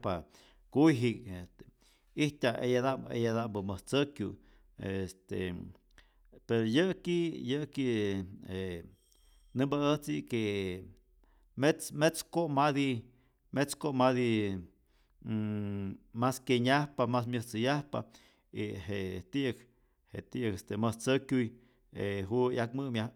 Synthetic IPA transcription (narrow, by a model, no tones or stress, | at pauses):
pa | kujɦikest̪e̥ | iht̪ʲaejad̪aḛjad̪ambəməht͡səkju | est̪ḛ | peɾojəkijəkie | nɨmbaəht͡sike | met͡smet͡skoʔmad̪i | met͡skoʔmaði | maskeɲahpamas̬mʲjəht͡sɨjahpa̰ | iɦeʔt̪iʔk | heʔt̪iʔkest̪eməht͡səkʲuj | eɦujak̚mɨmja